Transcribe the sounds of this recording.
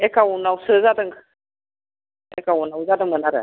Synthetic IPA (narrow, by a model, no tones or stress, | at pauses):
ekaunawsəzadəŋ | ekawunawzad̪ɯŋmənaɾə̰